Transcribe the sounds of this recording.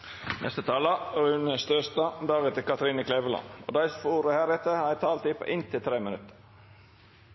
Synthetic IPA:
nɛ̰st̪ət̪ʰɑːlɑʉnəst̪øːst̪ɑd̪ɑːɡɛt̪ːəkɑt̪ɾiːnəkʰleːʋəlɑ̰no̰ːd̪æɪsfuːɾəhæːɾɛt̪ːəhɑæt̪ʰɑːlt̪ɪpʰo̰ːʔɪnt̪ʰɪlt̪ʰɾeːmənʉt̪ə̥ɾ

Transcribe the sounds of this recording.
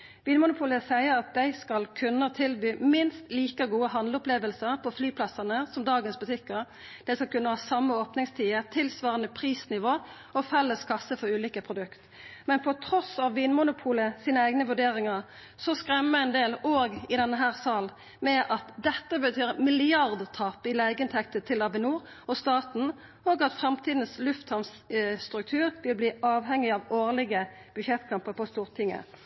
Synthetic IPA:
ʋiːnmʊnʊpʰuːləsæɪəɾɑt̪̚d̪æɪskɑlkʰʉnːət̪ʰɪlbyːmɪnst̪liːkəɡuːəɦɑnləʊpleːʋəlsəʁpʰɔflyːpʰlɑsɑnəsɔmd̪ɑːɡənsbʉt̪ʰɪkːəʁ | d̪̥ɛɪskɑlkʉnːəhɑːsɑmːəoːpnɪŋst̪ʰiːət̪ʰɪlsʋɑːʁənəpʰʁiːsnɪʋoː | ɔfɛlːəskʰɑsəfɔʁʉːliːkəpʰʁʊd̪ʉkt̪ | mɛnpʰɔt̪ʰɾɔsɑʋːiːnmʊnʊpʰuːləsiːnəæɪɡnəʋʉɖeːʁɪŋɑʁ | sɔskɾɛməɪnd̪eːloːɡɪd̪ɛnːəɦæːʁsɑːl | mɛʔɑt̪d̪ɛt̪ːəbət̪ʰyːʁmɪlɪɑʁd̪t̪ʰɑːpɪlæɪɡəɪnt̪ʰɛk̚t̪ət̪ʰɪlɑbɪnuːʁ | ɔst̪ɑːt̪n̩ | oːɡɑt̪fɾɑmt̪ʰiːd̪n̩slʉft̪hɑms | t̪ʁʉk̚t̪ʰʉːʁʋɪlbliːʔɑːʋɦɛŋːɪɑʋoːʁlɪɡə | b̥ʉʃɛt̪ːkʰɑmpəpʰɔst̪uːʁt̪ʰɪŋːə̰

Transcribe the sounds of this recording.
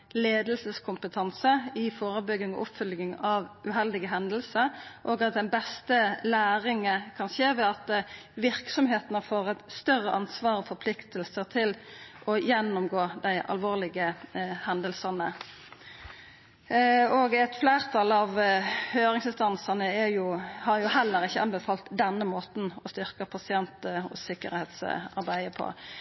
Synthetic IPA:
leːd̪əlsəskʰʊmpət̪ʰɑnsəɪfoːʁəbʏɡːɪŋɔ̰ʔʊpfʏlɡɪŋɑʋʉɦɛld̪ɪɡəɦɛnd̪əlsəɾʔoːɡɑt̪̚d̪ɛnbɛst̪əlæːʁɪŋəkʰɑnʃeːʋɛɑt̪̚ʋɪʁksɔmɦeːt̪ənəfoːʁɛt̪st̪œʁəʔɑnsʋɑːʁɔfɔʁpʰlɪkt̪əlsəʁt̪ʰɪlʔɔjɛnːʊmɡoːd̪æɪʔɑ̰lʋoːʁlɪɡəhɛnd̪əlsɑnə | ɔɡæt̪flæːʁt̪ʰɑlɑʋhøːɾɪŋsɪnst̪ɑnsɑnəɛjʊhɑjʊhɛlːəʁɪçːəʔɑnbəfɑːlt̪d̪ɛnːəmoːt̪n̩ɔst̪ʏʁkəpʰɑsɪɛnt̪ɔ̰sɪkə̰ɾheːt̪sɑ̰ʁbæɪəpʰɔ̰

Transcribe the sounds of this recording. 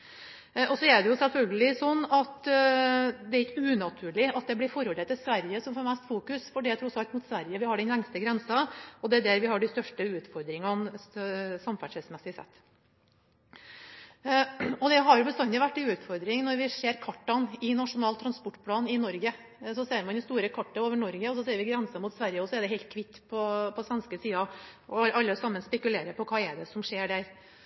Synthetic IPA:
ɔsɔɛɖɛjʊsɛlfœlɡəlɪsɔnːɑt̪ | d̪ɛæɾɪkːəʉːnɑt̪ʰʉːɭɪɑt̪̚d̪ɛblɪɾfɔɾɔɾɛt̪ːɪsʋæɾjəsɔmfɔɾmɛst̪fuːkʉsfɔɖijæɪt̪ʰɾʊsɑlt̪mʊt̪sʋæɾjəʋɪhɑɖɛnlɛŋst̪əɡɾɛnsɑɔd̪ɛæd̪æɾʋɪhɑɖɪst̪œʂʈəʉːt̪fɔɾd̪ɾɪŋɑn | sɑmfæʂɛsmɛsɪsɛ̰t̪ː | ɔd̪ɛɦɑɾjʊbəst̪ɑnːəʋæʈːɪʉːt̪fɔɾd̪ɾɪŋnɔɾʋɪʂeːɾkʰɑʈːɑnɪnɑʂʊnɑːlt̪ʰɾɑnspɔʈːpʰlɑːnɪnɔɾɡə | sɔseːɾmɑnɪst̪uːɾəkʰɑʈːɑoːʋəɳɔɾɡəɔsɔseːɾʋɪɡɾɛnsɑmuːt̪sʋæɾjəɔsɔɛɖ̪ɛɦɛɪlt̪̚kʰʋɪt̪ːpʰɔpʰɔsʋɛnskəsiːɑɔʔɑlːəsɑmːənspɛkʉleːɾəpɔkʰɑːɛd̪ɛsɔmʂeːɖæɾ

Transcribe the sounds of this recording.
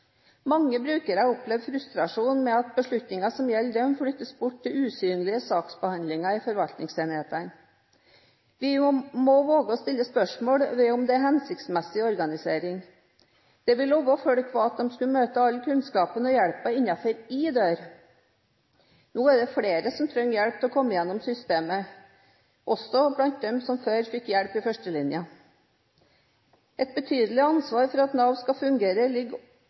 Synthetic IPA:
mɑŋːəbɾʉːkəɾæʊplɛʋfɾʉst̪ɾɑʂuːnmɛɑt̪̚bəʂɭʉt̪nɪŋɑsɔmjɛlːd̪ɛmfɽʏt̪ːəsbʊʈt̪ːɪlʉːsyːnlɪəsɑːksbəhɑnd̪lɪŋɑɪfɔɾʋɑlt̪nɪŋseːnɪheːt̪ən | ʋɪmɔʋoːɡəɔst̪ɪlːəspœʂmoːɽʋɪʊmd̪ɛæɾɦɛnsɪkt̪smɛsɪɔɾɡɑnɪseːɾɪŋ | d̪̥ɛʋɪloːʋɔføɽəkʰʋɑːɑt̪̚d̪ɛmskʉmøːt̪əɑlkʰʉnskɑːpənɔjæɽpəɪnːɑfɔɾɪd̪øːɾ | nuːæɖ̪ɛfɽeːɾəsɔmt̪ʰɾœŋːjæɽp̚t̪ʰɛɔkʰɔmːəjɛnːɔmsʏst̪eːmə | ʔɔsɔblɑnt̪̚d̪ɛmsɔmføːɾfɪkːjæɽpɪfœʂʈəlɪnjə | ɛt̪̚bət̪ʰyːd̪əlɪɑnsʋɑːɾfɔɾɑɑt̪nɑʋnskɑfʉŋɡeːɾəlɪɡː

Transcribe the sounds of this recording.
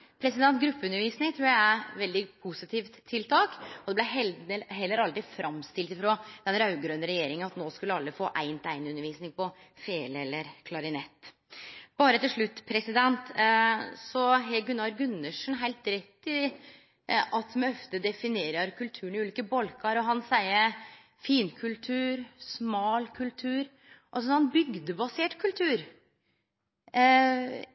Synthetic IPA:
pʰɾɛsɪd̪ɛnt̪ɡɾʉpːəʉnːəɾʋiːsnɪŋt̪ʰɾuːææʋɛld̪ɪpʰusɪt̪ʰiːft̪ʰːɪlt̪ʰɑːkɔd̪ɛblæɛɦɛlːəɾɑlt̪ɪfɾʔɑmst̪ɪlt̪ɪfɾoːd̪̥ɛnɾɑʉɡɾøːnəɾɛjeːɾɪŋənɑt̪noːskʉlːəɑlːəfoːʔæɪnt̪æɪnʉnəɾʋiːsnɪŋpɔ | feːlɛlːəɾkʰlɑɾɪnɛt̪ː | b̥ɑːɾət̪ɪlʂɭʉt̪ːpʰɾɛsɪd̪ɛnt̪ | sɔɦɛɡʉnːɑɾɡʉnːəʂnɦæɪlt̪ɾɛt̪ːɪ | ʔɑt̪mɛœft̪əd̪ɛfɪneːɾəɾkʰʉlt̪ʰʉːəɳɪʉːliːkəbɔlkʰɑɾɔɦɑnsæɪə | fiːnkʰʉlt̪ʰʉːɾsmɑːlkʰʉlt̪ʰʉːɾ | ʔɔsɔɑnbʏɡd̪əbɑseːʈkʰʉlt̪ʰʉːɾ

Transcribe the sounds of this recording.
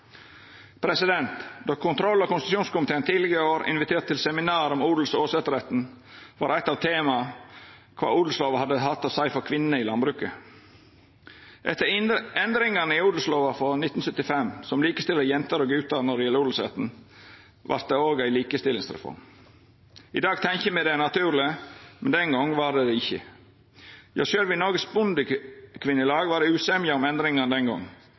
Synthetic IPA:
pʰɾɛsɪd̪ɛnt̪d̪oːkʰʊnt̪ʰɾɔlːɑkʊnst̪ʃjuːnskʊmɪt̪eːənt̪ʰiːlɪɡəɾɪoːɾɪ̰nʋɪt̪ʰeːʈt̪ːɪlsɛmɪnɑːɾɔmuːd̪l̩soːsɛt̪ɾɛt̪n̩ | ʋɑːɾæɪt̪ːɑːʋt̪ʰeːmɑ | kʰʋɑ̰ːuːd̪l̩sloːʋɑhɑd̪əhɑt̪ːɑːsæɪfɔɾkʰʋɪnnəɪlɑnbɾʉːkə | ʔɛt̪ːəɛnd̪ɾɪŋɑnəɪuːd̪l̩sloːʋɑfɔnɪt̪ːn̩sœt̪ːɪfɛmsɔmliːkəst̪ɪlːəjɛnt̪əɾoːɡʉːt̪ɑɾnɔɾɪjɛləuːd̪l̩sḛːt̪n̩ | ʋʔɑ̰ɾt̪̚d̪ɛoːɡæɪliːkəst̪ɪlɪŋsɾɛ̰fɔ̰ɾm | ɪd̪ɑːɡt̪ʰɛŋçəmæɪd̪ɛnɑt̪ʰʉːɾlɪəmɛnd̪ɛŋɡɔŋʋɑd̪ɛd̪ɛɪçːə̰ | jɑːʃøːlʋɪnɔɾɡəsbʊnd̪əkʰʋɪnːəlɑːɡʋɑːɾd̪ɛʉːsɛmjəɔmɛnd̪ɾɪŋɑnd̪ɛŋɡɔ̰ŋː

